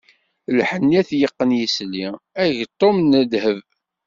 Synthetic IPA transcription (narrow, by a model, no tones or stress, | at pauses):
lħənːiæθjəqːənjisliæʝt̪ˤːomnːəd̪həv